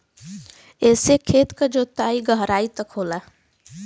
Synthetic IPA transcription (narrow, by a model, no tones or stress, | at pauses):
ɛːsekʰeːt̪kad͡ʒoːt̪aːiɡəɦɾaːit̪əkɦoːlaː